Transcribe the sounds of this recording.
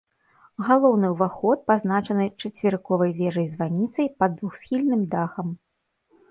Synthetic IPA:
ɣalˠɔwnɨwvaxɔt̪̚paznat͡ʂɐnɨt͡ʂɐt͡sʲvʲɪɾkɔvɐjvʲɛʐɐjzvanʲit̪sɐjpɐd̪vuxsʲxʲilʲnɨmd̪axɐm

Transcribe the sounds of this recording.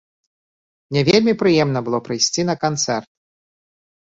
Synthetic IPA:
nʲɛvʲelʲmʲipɾɨjɛmnɐbɨlˠɔpɾɨjsʲt͡sʲinɐkant̪sɛrt̪̚

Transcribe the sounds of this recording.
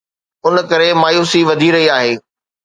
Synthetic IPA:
ʊnkɐɾemaːjuːsiʋɐd̪ʱiɾɐɦiaːɦeː

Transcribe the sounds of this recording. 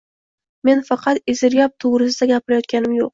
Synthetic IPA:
me̞nfɑqʰɑt̪ɪzɪɾjɒp̚t̪ʰowɾɪs̬ɪd̪aɡʲapʰɪɾajɒt̪̚kʲanɪmjoq̚

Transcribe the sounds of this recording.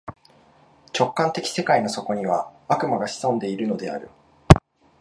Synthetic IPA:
t͡ɕo̞kːãnt̪e̞kʲi̥se̞kaino̞so̞ko̞ɲ̟iβ̞aakɯ̟maɡaɕi̥sõ̞nd̪e̞iɾɯ̟no̞d̪e̞a̰ɾɯ̟

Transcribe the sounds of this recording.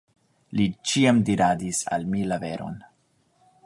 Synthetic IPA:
lit͡ʃiamdiɾadisa̰lmilave̞ɾo̞̰n

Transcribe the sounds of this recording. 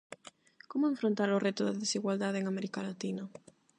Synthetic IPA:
komʊeɱfɾont̪aɾʊret̪ʊðaðesiɣwald̪aðeŋamɛɾikalat̪inɐ

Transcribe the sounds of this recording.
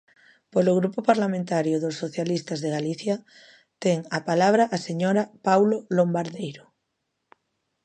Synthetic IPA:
poloɣ̞ɾupopaɾlamẽnt̪aɾjoðosːoθjalist̪azðeɣaliθja | t̪ɛŋapalaβ̞ɾaʔaseɲoɾapawlolombaɾðejɾo

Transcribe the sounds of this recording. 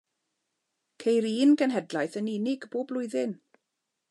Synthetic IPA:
kʰejɾiːnɡənɦɛdlajθənɪnɪɡboːblˠʊɨðɪn

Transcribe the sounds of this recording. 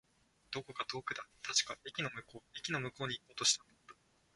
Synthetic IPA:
d̪̥o̞ko̞kat̪o̞ːkɯ̟d̪at̪ʰaɕi̥kaekʲinomɯoːekʲino̞mɯ̟ko̞ːɲ̟ikoːt̪o̞ɕi̥t̪and̪o

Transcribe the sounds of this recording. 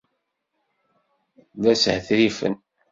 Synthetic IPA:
læshθɾifə̰n

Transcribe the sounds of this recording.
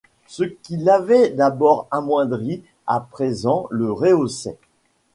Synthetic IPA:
səkʲilavɛd̪abɔʁamwɛ̃d̪ʁi | a̰pχezɑ̃ləʁeosɛ̰

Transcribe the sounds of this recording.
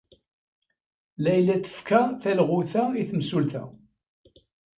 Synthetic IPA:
læjlæt̪ːə̥fkæθælʁʊθæiθəmsulθæ̰

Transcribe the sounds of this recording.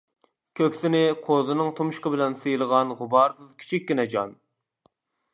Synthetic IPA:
kʲʰøkʲsɪnɪqʰozɨnɨŋt̪ʰumʃqəbɪlɛnsɨjilˠəʁɑnʁʊbɑɾsɨzkʲʰi̥t͡ʃʰikʲɡʲinɛd͡ʒɑn

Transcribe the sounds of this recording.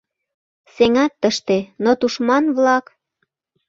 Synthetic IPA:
seŋɑt̪ːəʃt̪enot̪uʃmɑnβlɑk

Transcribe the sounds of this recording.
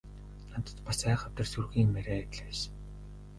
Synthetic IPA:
nat̪ə̥̆t̪pasæːχə̆wt̪ə̆rsurɣiːŋmæɾæːt̪ɮeːs

